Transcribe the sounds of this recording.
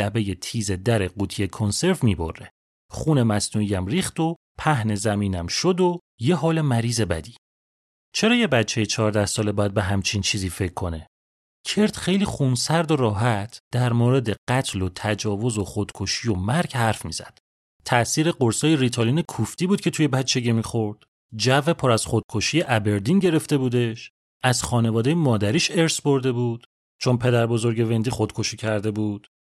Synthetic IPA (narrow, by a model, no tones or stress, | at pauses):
æbe̞je̞t̪ʰiːze̞d̪æɾe̞ɢuːt̪ʰijekʰonse̞ɾvmibo̞̰ɾːe | χuːne̞mæsnuːijæmriːχt̪o̞ | pʰæhne̞zæmiːnæmʃod̪o | je̞ɦɒːle̞mæɾiːze̞bæd̪i̥ | t͡ʃʰe̞ɾɒːje̞bætt͡ʃʰːejet͡ʃʰɒːɾd̪æhsɒːlebɒːjæd̪be̞ɦæmt͡ʃʰint͡ʃʰiːziːfe̞cʰːo̞ne | cʰe̞ɾt̪ʰχe̞jliːχunsæɾd̪oɾɒːɦæt̪ʰd̪̥æɾmoɾe̞d̪e̞ɢ̥æt̪ʰlot̪ʰæd͡ʒɒːvo̞zo̞χod̪̥kʰo̞ʃijo̞mæɾɟhæɾfmḭːz̥æ̰d̪̥ | t̪ʰæʔsiːɾe̞ɢoɾsɒːjeɾit̪ʰoliːne̞kʰuft̪iːbuːd̪̚cʰe̞t̪ʰuje̞bæt͡ʃʰːe̞ɟemixo̞ɾd̪̥ | d͡ʒæve̞pʰɒːɾæz̥χo̞d̪̥̚kʰo̞ʃiːje̞ʔæbe̞ɾd̪inɟe̞ɾe̞ft̪e̞buːd̪e̞ʃ | æz̥xɒːne̞vɒːd̪ejemɒːd̪æɾiːʃeɾsbo̞ɾd̪e̞buːd̪̥ | t͡ʃʰo̞npʰe̞d̪æɾbo̞zo̞ɾɟe̞ve̞nd̪ixod̪̥kʰo̞ʃicʰæɾd̪e̞buːd̪̥